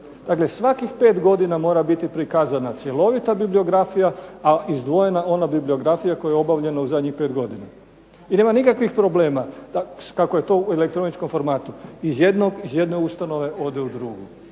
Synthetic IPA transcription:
d̪̥aːkle̞sʋakixpe̞ːt̪ɡo̞d̪inamo̞ːɾabit̪ipɾikazanat̪sje̞lo̞ʋit̪abiblio̞ɡɾafijaaizd̪ʋo̞je̞nao̞nabiblio̞ɡɾafijako̞jajeo̞baʋʎe̞nauzad̪ɲixpe̞ːt̪ɡo̞d̪ina | ine̞ːmanikakʋixpɾo̞ble̞ːmad̪akakoje̞t̪o̞uele̞kt̪ɾo̞nit͡ʃko̞mfo̞ɾmaːt̪uizjed̪noɡizje̞d̪ne̞ust̪ano̞ʋe̞ʔo̞d̪eud̪ɾuɡu

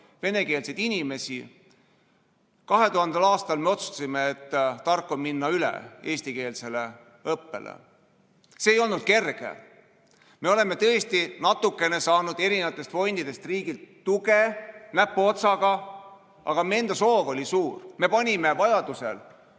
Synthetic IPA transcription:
ve̞ne̞ke̞ːlsejd̪̥inʲime̞sḭ | kɑɦe̞t̪uhɦɑnd̪ɑlɑːst̪ɑlme̞o̞t̪su̥t̪ɑ̥simeːt̪ːt̪ːɑrkːˑo̞minːɑylḛe̞ːst̪ike̞ːlse̞le̞ | ɤpːe̞̰lḛ | se̞ːjo̞lnud̪̥̚ke̞rɡ̥ḛ | me̞o̞le̞me̞t̪ɤest̪inɑt̪ːukːˑe̞ne̞sɑːnud̪e̞ɾinevɑt̪ːˑe̞st̪fo̞jnd̪̥id̪̥e̞st̪riːɡilt̪ːuɡe̞næpːˑuo̞t̪sɑɡ̥ɑ | ɑ̰ɡ̥ɑmeend̪̥ɑso̞ːvo̞lʲisuːrme̞pɑnʲime̞vɑjɑd̪̥usḛl

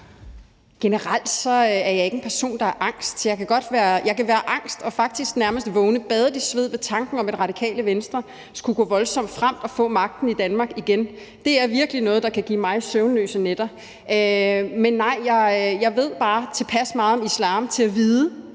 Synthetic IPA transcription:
ɡ̥e̝nəʁal̰d̥sɒ̽æɐjɑ̈e̝ɡ̥ən̩pʰæɐso̝̰ːnd̥ɑ̈æɐʔɑ̈ŋ̰sd̥jɑ̈ɪkʰæɡ̥ɒ̽d̥ʋæːɐjɑ̈ɪkʰæʋæːɐʔɑ̈ŋ̰sd̥ɒ̽fɑ̈ɡ̥̚d̥isɡ̥næɐməsd̥ʋɔ̽ʊnəb̥ɛð̞ˠɐd̥isʋe̝ð̞̰ˠʋe̝t͡sʰɑ̈ŋɡ̥n̩ɒ̽me̝d̥ʁɑ̈ɾ̥ikʰɛ̰ːləʋensd̥ʁɐ | sɡ̥uɡ̥ɔ̰̽ːʋɒ̽lsɒ̽m̰d̥fʁam̰d̥ɒ̽fɔ̰̽ːmɑ̈ɡ̥̚d̥n̩id̥ænmɑ̈ːɡ̥iɡ̥en | d̥e̝æɐʋiɐɡ̥əlinɔ̽ːð̩ˠdɑkʰæɡ̥ḭːmɑ̈ɪsøʊnlø̰ːsəned̥ɐ | ømenːɑ̈ɪ̰jɑ̈ɪjɑ̈ɪʋe̝ð̞̰ˠb̥ɑ̈ːt͡sʰe̝pʰæsmɑ̈ːð̩ˠɒ̽mislɑ̈ːmt͡sʰe̝æʋiːðˠə

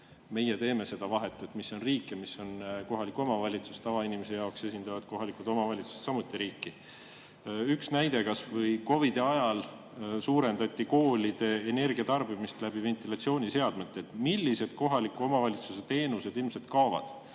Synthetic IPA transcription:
me̞jet̪e̞ːme̞se̞d̪̥ɑvɑɦe̞t̪ˑːet̪miso̞nriːkːˑemisːo̞nko̞ɦɑlikːˑuomɑvɑlʲit̪su̥st̪ɑvɑinimese̞jɑokse̞sʲind̪̥ɑvɑd̪̥ko̞ɦɑlikud̪o̞mɑvɑlʲit̪su̥se̥t̪sɑmut̪ːˑiɾiːkːi | yksnæjd̪e̞kɑsvɤjko̞vid̪e̞ɑjɑl | suːɾe̞nd̪ɑt̪ʲˑːiko̞ːlʲid̪̥e̞ːne̞rɡ̥iɑt̪ɑrb̥imist̪læb̥ive̞nt̪ilɑt̪sio̞ːnʲise̞ɑd̪̥met̪ˑːe̞t̪milːise̞d̪̥ko̞ɦɑlikːˑuo̞mɑvɑlʲit̪suse̞t̪e̞ːnuse̞d̪̥ilmset̪kɑovɑ̰d̪̥

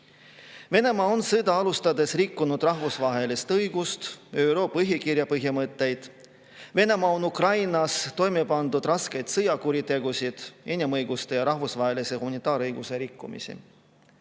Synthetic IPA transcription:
ve̞ne̞mɑonsɤd̪ɑɑlust̪ɑd̪e̞srikːunud̪̥rɑɦvusvɑɦe̞list̪ɤjɡ̥ust̪øɾo̞ːpɤɦjɑkiɾjɑpɤɦjɑmɤt̪ːˑe̞jd̪̥ | ve̞ne̞mɑːo̞nukrɑjnɑst̪o̞jmepɑnd̪̥ud̪̥rɑske̞jd̪̥sɤjɑkuɾit̪e̞ɡ̥usid̪̥e̞nʲimɤjɡ̥ust̪e̞jɑɾɑɦvusvɑɦe̞lise̞humɑnit̪ːˑɑːɾɤjɡ̥use̞ɾikːṵmḭsḭ

